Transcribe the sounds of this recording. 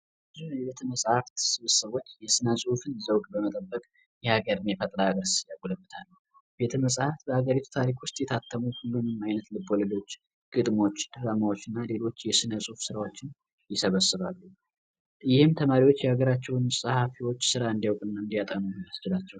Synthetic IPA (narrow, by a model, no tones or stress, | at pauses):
bɨzuɛbet̪ʰəməsʼhaft̪sɨβɨsəβwo̞t͡ʃːjɛsɨnəsʼhufɨnzəwɡʼbəmət̪ʼəbːəkʼ | jɛhaɡəɾɨnjɛfət̪ʼlaaɡəɾsjaɡuləbːɨt̪ʰalː | bet̪ʰəməsʼhaft̪bəhaɡəɾit̪ʰu̥t̪ʰaɾikwʊst̪ʼjɛt̪ʰat̪ʰːəmuhulːunɨmajnət̪lɨboləlo̞t͡ʃː | ɡ̥ɨd̪mo̞t͡ʃːd̪̥ɨɾamawo̞t͡ʃːɨnːale̞lo̞t͡ʃːjɛsɨnəsʼuhufsɨɾawo̞t͡ʃːɪn | jɪsəβəsɨβalːu | jɪhɨmt̪ʰəmaɾiwo̞t͡ʃːjɛhaɡəɾat͡ʃːɛwnsʼəhafiwo̞t͡ʃːsɨɾaɨnd̪ijawkʼɨnːaɨnd̪ijat̪ʼənujasd͡ʒɪlat͡ʃːɛw